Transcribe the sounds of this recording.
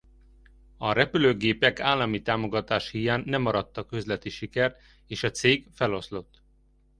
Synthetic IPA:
ɒɾɛpyløːɡeːpɛkaːlːɒmit̪aːmo̞ɡɒt̪aːʃhijaːnːɛmːɒɾɒt̪ːɒkø̞zlɛt̪iʃikɛrt̪ | eːʃɒt̪seːɡfɛlo̞slo̞t̪ː

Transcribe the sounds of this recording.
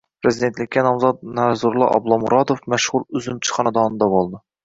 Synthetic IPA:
pɾɨzid̪ent̪lɪkʲʰːɛnɑmzɑt̪̚næzuɾlˠɑ̰ʔɑ̰blˠɑmuɾɑd̪ofmæʃʁuɾyzymt͡ʃʰɨ̥χɑnɨd̪ɑnɨd̪ɑbolˠd̪ɨ

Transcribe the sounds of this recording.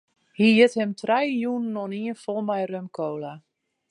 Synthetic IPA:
hijɪthɛmtʰrɛjjunnːɔniənfɔlˠmɛjrømkʰoːla

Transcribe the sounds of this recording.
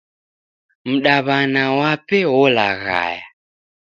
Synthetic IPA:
m̩ɗaβanawapɛwɔlaɣa̰ja

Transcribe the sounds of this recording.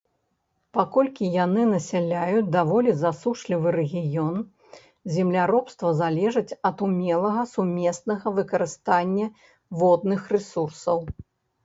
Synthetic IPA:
pakɔlʲkʲijanɨnɐsʲɛlʲajut͡sʲd̪avɔlʲizasuʂlʲivɨɾɛɣʲijɔn | zʲɛmlʲaɾɔpst̪vɐzalʲɛʐɨt͡sʲɐt̪umʲɛlˠɐɣɐsumʲɛsnɐɣɐvɨkɐɾɨst̪anʲːɐ | vɔd̪̚nɨxrɛsursɐw

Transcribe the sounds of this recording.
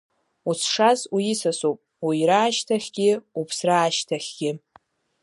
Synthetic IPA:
usʰʂazujɪsasowpʼ | wijɾaːʃtʰaχʲɡ̥ʲɪupʰsraːʃtʰaχʲɡ̥ʲɪ

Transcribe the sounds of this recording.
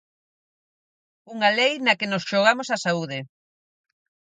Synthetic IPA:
uŋalejnɐkenosʃoɣ̞amosɐsauð̞ɪ

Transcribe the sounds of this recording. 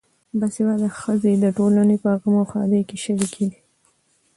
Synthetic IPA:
basewɑd̪axəzed̪əʈolanepəɣəmoxɑ̰d̪ekeʃəwikʰeɡi

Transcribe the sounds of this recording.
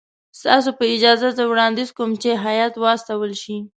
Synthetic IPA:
st̪ɑsopəɪd͡ʒɑzazəwɽɑnd̪izkomt͡ʃeɦajɑt̪wɑst̪awəlʃi

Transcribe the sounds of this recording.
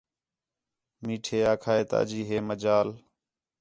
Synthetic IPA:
miːʈʰeːaːkʰaːeːt̪a̰ːəd͡ʒiːɦeːməd͡ʒaːl

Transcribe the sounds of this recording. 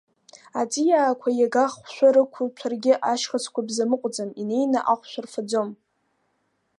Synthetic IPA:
at͡sʼijaːkʷʰajaɡaχʃᶣʷaɾɨkʷʰʊlt͡ʃʷʰarɡʲɪʔaʃχat͡sʰkʷʰabzamɨqʷʼd͡zamine̞jnaʔaχʷʃʷᶣarfad͡zom

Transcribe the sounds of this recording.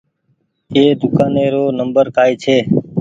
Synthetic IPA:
eːd̪ʊkaːneːɾoːnəmbəɾkaːjt͡ʃʰeː

